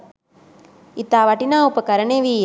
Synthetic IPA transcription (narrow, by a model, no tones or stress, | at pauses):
it̪ːaːʋɐʈinaːupːəkɐɾɐɳeːʋi